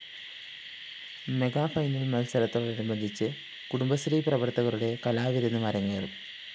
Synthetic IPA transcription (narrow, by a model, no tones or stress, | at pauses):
me̞ɡaːfɐjnilmɐlsɐɾɐt̪ːoːɭiɾumbɐnd̪ʱit͡ɕːɨ | kuɽumbɐsɾiprɐʋɐrt̪ɐɣɐɾuɽe̞kɐlaːʋiɾɐnːɨmɐɾɐŋːeru